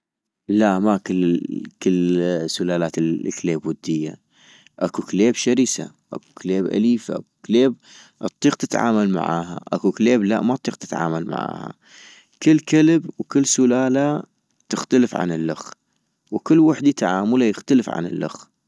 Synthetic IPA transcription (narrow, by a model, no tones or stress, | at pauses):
laʔmakɪlkɪlsʊlaːlaːt̪ɪkleːbwʊd̪ːɪjːa̰ | ʔakukleːbʃaɾisa̰ | ʔa̰ku̥kleːbʔa̰liːfaʔakukleːb̚ | ʔɨt̪ˤːiːq̚t̪ɪt̪ʕa̰ːmalma̰ʕa̰ːɦa̰ʔa̰kukleːbla̰ʔmat̪ˤːiːq̚t̪ɪ̥t̪ʕa̰ːmalma̰ʕa̰ːha̰ | kɪlːkɪlɪbwkɪlːsʊlaːla | t̪ɪxt̪aləfʕa̰nɪlːʊ̰x | wkɪlːwaħd̪it̪aʕaːmʊlajɪxt̪aləfʕa̰nɪ̰lːʔʊ̰x